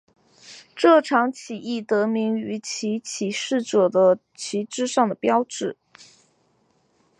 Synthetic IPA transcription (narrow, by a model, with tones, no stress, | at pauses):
ʈ͡ʂɤ˥˩ʈ͡ʂʰɑ˧˥ŋt͡ɕʰi˨˩i˥˩t̪ɤ˧˥mi˧˥ŋy˧˥t͡ɕʰi˧˥t͡ɕʰi˨˩ʂɻ̩˥˩ʈ͡ʂɤ˨˩d̪ə˦ | t͡ɕʰi˧˥ʈ͡ʂɻ̩˥ʂɑ˥˩ŋd̪ə˩pjɑ˥ʊʈ͡ʂɻ̩˨˩